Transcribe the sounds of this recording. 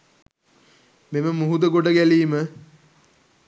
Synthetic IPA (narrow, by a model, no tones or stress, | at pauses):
meməmuɦud̪əɡoɖəɡæliːmə